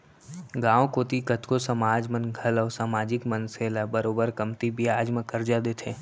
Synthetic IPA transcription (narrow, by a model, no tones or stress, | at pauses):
ɡãːwkoːt̪ikət̪kosɐmaːd͡ʒmənɡʱɐlɔːsaːmaːd͡ʒɪkmənseːlabəɾoːbəɾkəmt̪ibijaːd͡ʒmẽkəɾd͡ʒad̪eːt̪ʰeː